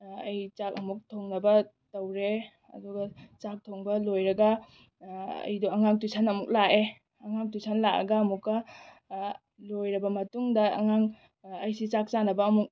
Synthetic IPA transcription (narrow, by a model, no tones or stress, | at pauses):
ɐjt͡ʃak̚ɐmuk̚tʰoŋnɐbɐ | tɐwɾe | ɐ̰duɡɐt͡ʃak̚tʰoŋbɐlojɾɐɡɐ | ɐ̰jdɔɐŋaŋ̚tusʰanɐmuk̚lae | ɐŋaŋ̚tujsʰanlakɐ̰ɡɐːmukːɐ | lojɾɐbɐmɐtuŋdɐ̰ːŋaŋ | ɐjsit͡ʃak̚t͡ʃanɐbɐːmuk̚